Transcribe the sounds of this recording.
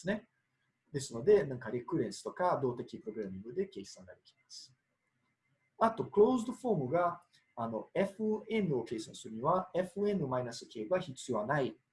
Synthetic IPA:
sɨne̞ | d̪e̞sɨno̞d̪e̞nãŋkaɾekɯ̟ɾẽ̞ɰ̃sɨ̥t̪o̞kad̪o̞ːt̪e̞kʲipɯ̟ɾo̞ɡɯ̟ɾamʲĩŋɡɯ̟d̪e̞ke̞ːsãŋɡad̪e̞kʲi̥masɨ̥ | at̪o̞kɯɾo̞ːzd̪oɸo̞ːmɯ̟ɡaː | no̞e̞ɸɯe̞nɯ̟o̞ke̞ːsãɰ̃sɨɾɯ̟ɲ̟iβae̞ɸɯ̟e̞nɯmainasɨ̥kʲe̞ːbaçit͡sɨjo̞βanai

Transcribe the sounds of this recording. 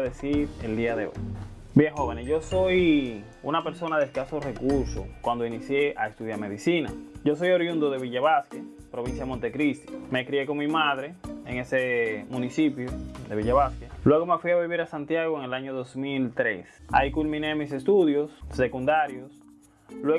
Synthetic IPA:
ðesiɾeld̪iaðeo̰j | bjeŋho̞βenesʝo̞so̞j | unape̞ɾso̞naðelkasore̞kuɾso̰kwand̪oinisje̞ʔaest̪uðjame̞ðisina̰ɟ͡ʝo̞so̞joɾjund̪oðe̞βiʝaβasket̪ | pɾo̞βinsjamont̪e̞kɾist̪i̥mekɾiekoŋmimaðɾe̞eŋesemunisipjod̪e̞βiʝaβaskalwe̞ɣo̞mefwiaβiβiɾasant̪jaɣoeŋelaɲoðosmilt̪ɾesa̰ikulmĩne̞mise̞st̪uðjo̞sːe̞kund̪aɾjos | lwe

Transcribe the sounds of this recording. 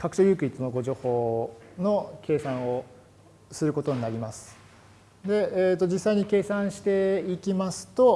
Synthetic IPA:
kʰakɯ̟̥ɕojɯ̟ːkɯ̟it͡sɨnoɡo̞ʑo̞ːho̞ːno̞kʰe̞ːsãɰ̃o̞ | sɨɾɯ̟ko̞t̪o̞ɲ̟inaɾʲimasɨ̥ | d̪e̞ːt̪ːo̞d͡ʑisːaiɲ̟ike̞ːsãɰ̃ɕi̥t̪e̞ikʲimasɨ̥t̪o̞

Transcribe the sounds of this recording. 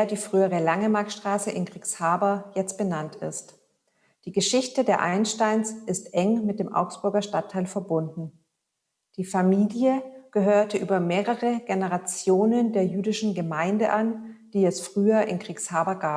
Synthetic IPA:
ɐdiːfʁ̥yːəʁəlaŋəmaɐkʃtʁ̥aːsəʔɪnkʁ̥iːkshaːbɐjɛt͡st̚b̥ənantɪ̰st | d̥iːɡəʃɪçtədeːɐʔaɪnʃtaɪnsʔɪstʔɛŋmɪt̚d̥eːmʔa̰ʊkstb̥ʊɐɡɐʃtatʰːaɪlfɛɐbʊndn̩ | d̥iːfamiːljəɡ̥əɦøːɐtəʔyːbɐmeːʁəʁəɡenəʁat͡sjoːnəndeːɐjyːdɪʃn̩ɡəmaɪndə̰ʔand̥iːɛsfʁ̥yːɐʔɪnkʁ̥iːkshaːbɐɡaːp

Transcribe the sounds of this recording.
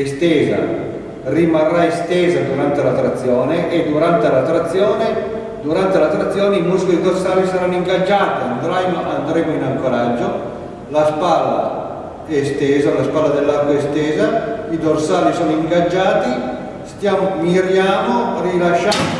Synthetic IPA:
est̪ɛːza̰ | rimarːaest̪ɛːzad̪uɾant̪elat̪ɾat̪sːjɔːneʔːd̪uɾant̪elat̪ɾat̪sːjɔːne | d̪uɾant̪elat̪ːɾat̪sːjɔːneimuskiid̪orsaːlisaɾanːoiŋɡad͡ʒːaːt̪iand̪ɾajmoʔand̪ɾɛːmoinaŋkoɾad͡ʒːo | laspalːa̰ | ɛst̪ɛːzalaspalad̪elːark̪oest̪ɛːzaid̪orsaːlisoːnoiŋɡad͡ʒːaːt̪i | st̪jaːmomiɾjaːmorilaʃːa

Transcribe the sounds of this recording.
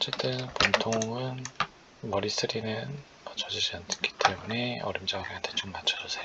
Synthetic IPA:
ʌt͡ɕ͈e̞t͈ɯnpontʰoŋɯn | mʌɾis͈ʰɯɾinɯn | mat͡ɕʰʌd͡ʑid͡ʑiantʰɯ̥k͈i̥t͈e̞mune̞ʌ̰ɾimd͡ʑʌɡeɦantʰe̞t͡ɕomːat͡ɕʰʌd͡ʑʌsʰejo

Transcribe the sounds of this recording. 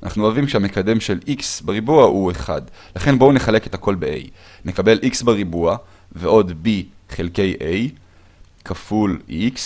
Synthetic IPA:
ana̰χnuavimkʃeame̞kade̞mʃelʔiksbeʁibuahueχa̰dlaχe̞nboune̞χale̞ke̞t̪ako̞lbeʔe̞̰j | ne̞kabe̞lʔiksbeʁibua | veʔo̞dbiχelke̞jʔej | kʰafulʔiks

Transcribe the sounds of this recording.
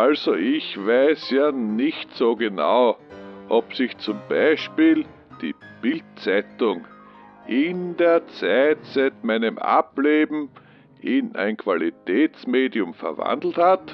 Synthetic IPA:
ʔalzoʔɪçvæɪsjaːnɪçtsoːɡena̰ʊʔɔpsɪçt͡sʊmb̥aɪʃpiːl | d̥ḭːb̥ɪltt͡sɛtʊŋ | ʔɪndeːɐt͡sæɪtt͡sɛtmæɪnəmʔa̰pleːbm̩ | ʔɪnæ̰ɪnkʰv̥alitɛːt͡smeːdiʊmfɛ̰ɐvã̰nd̪l̩that

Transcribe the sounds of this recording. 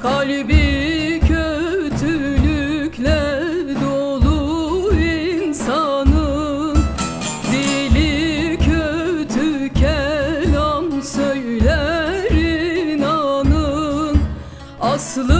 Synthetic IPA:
kʰalʲbicʰøt̪ʰylykʰlʲæɾd̪olˠuinsanɯ | d̪ilicʰøt̪ʰycʰælansøjlʲæɾinanɯn | aslˠɯ

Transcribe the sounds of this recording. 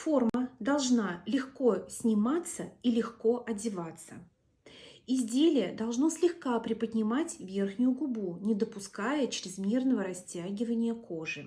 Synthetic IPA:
fo̞rməd̪ɐlˠʐnalʲɪxko̞sʲnʲɪmat̪səilʲɪxko̞ʔɐdʲɪvat̪sə | ɪzʲdʲelʲɪjəd̪ɐlˠʐno̞sʲlʲɪxkapɾʲɪpədʲnʲɪmatʲvʲerxnʲʊjʊɡʊbunʲɪd̪əpʊskajət͡ɕɾʲɪzmʲernəvəɾɐsʲtʲaɡʲɪvənʲɪjəko̞ʐɨ

